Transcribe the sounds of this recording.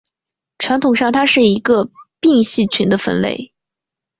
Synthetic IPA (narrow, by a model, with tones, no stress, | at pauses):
ʈ͡ʂʰwa˧˥nt̪ʰʊ˨˩ŋʂɑ˥˩ŋt̪ʰa˥ʂɻ̩˥˩i˧˥ɡə˧pi˥˧ŋɕi˥˩t͡ɕʰy˧˥nd̪ə˧fə̰˧˥nlḛ˥˧˩ɪ